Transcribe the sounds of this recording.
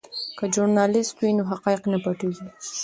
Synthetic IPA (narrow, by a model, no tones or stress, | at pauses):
kad͡ʒʊɾnɑlɪst̪winoɦaqɑɪqnapaʈuɡi